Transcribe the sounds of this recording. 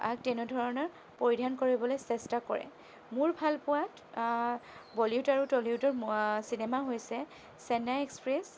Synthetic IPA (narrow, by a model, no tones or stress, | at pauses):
a̰k̚tɛnodʱɔɹɔnɔɹ | poɹidʱankoɹibɔlojsɛstakɔɹɛ̰ | mʊɹbʱalpʊwat | bɔliutaɹutɔliutɔɹsinemaɦojsɛ | sɛnaekspɹɛs